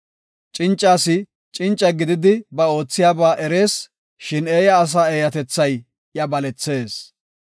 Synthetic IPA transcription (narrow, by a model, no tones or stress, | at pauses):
t͡ʃʼɪnt͡ʃʼːaːsɪ | t͡ʃʼɪnt͡ʃʼːɐɡɪd̪ɪd̪ɪbɐo̞ːt͡sːɪjaːbaːʔɛɾe̞ːs | ʃɪneːjɐːs̬aːeːjɐt̪ɛt͡sːɐj | jɐbɐlɛt͡sːe̞ːs